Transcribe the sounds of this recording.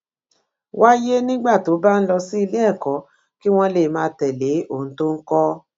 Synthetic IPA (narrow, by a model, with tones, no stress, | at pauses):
wa˦je˦nĩ˦ɡ͡ba˦˨to˨˦ba˦n̩˦lɔ˧si˦i˧le˦ɛ˦˨kɔ˨˦ | ki˦w̃ɔ̃˦le˦˨mãː˧tɛ˨le˨˦o˦˨ñ̩˦to˦ŋ̩˦kɔ˦